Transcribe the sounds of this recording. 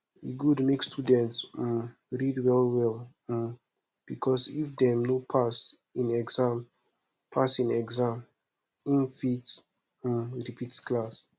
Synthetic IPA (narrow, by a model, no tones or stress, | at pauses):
ḭɡudmekstʰudɛ̃nts̩ | ɹidwɛlwɛl̩ | b̥ikʰɔsifdɛ̃mnopʰas | ĩnɛɡzãm | pʰasĩnɛɡzãm | ĩnfits̩ | ɹipitskʰlas